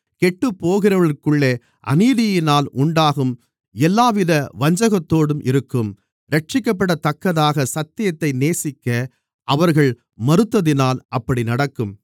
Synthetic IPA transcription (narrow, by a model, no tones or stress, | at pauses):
kɛʈːɯpːoːɣɪɾɐʋɐɭɪkːɯɭːeː | ʔɐ̰niːðɪjɪnaːlʔʊɳɖaːɣɯm | ɛlːaːʋɪðɐʋɐɲd͡ʒɐɣɐt̪ːoːɽɯmʔɪɾɯkːɯm | ɾɐʈ̚t͡ʃɪkːɐpːɐɽɐt̪ɐkːɐðaːɣɐsɐt̪ːɪjɐt̪ːɐɪneːsɪkːɐ | ʔɐʋɐɾɣɐɭ | mɐɾɯt̪ːɐðɪnaːlʔɐpːɐɽinɐɽɐkːɯm